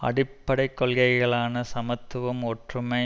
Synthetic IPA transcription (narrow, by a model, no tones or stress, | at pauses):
ɐ̰ɽɪpːɐɽɐɪkːɔɭɣɐɪɣɐɭaːnɐsɐmɐt̪ːɯʋɐmɔʈrɯmɐ